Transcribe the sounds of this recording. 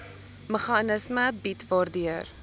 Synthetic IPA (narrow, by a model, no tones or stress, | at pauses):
məχɑnəsməbitvɑːrdiər